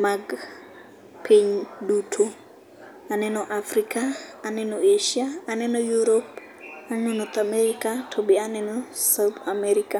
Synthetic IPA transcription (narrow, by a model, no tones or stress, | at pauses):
maɡ | pʰeɲdutʰo | anɛnɔʔafɾikaːnɛnɔeʃiaːnɛnɔjuɾop | annonɔt̪amɛɾikatʰɔbianɛnɔsawt̪amɛɾika